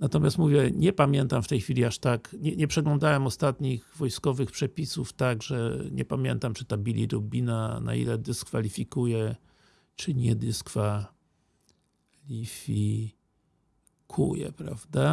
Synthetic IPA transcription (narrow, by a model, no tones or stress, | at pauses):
nat̪ɔmʲjast̪muvʲjɛɲɛpamʲjɛnt̪amft̪ɛjxfʲilʲiaʂt̪akɲɛɲɛpʂɛɡlɔ̃nd̪awɛmɔst̪at̪ɲiɣvɔjskɔvɘxpʂɛpʲisuft̪aɡʐɛɲɛ̰pamʲjɛ̰nt̪amt͡ʂɘt̪abʲilʲḭɾubʲinana̰ḭlɛd̪ɘskfalʲifʲikujɛ | t͡ʂɘɲɛd̪ɘskfa | lʲifʲi | kʰṵjɛ̰pɾa̰vd̪a